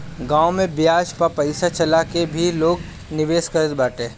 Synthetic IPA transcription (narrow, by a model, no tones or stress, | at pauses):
ɡãːomẽbjaːʃpapɐɪsat͡ʃɐlakebʱiloːɡ | nɪʋeːskɐɾəd̪baːʈẽː